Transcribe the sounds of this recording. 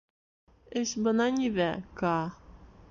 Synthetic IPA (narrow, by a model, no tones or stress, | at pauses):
ɘɕbɤ̆nɑnʲiβækɑ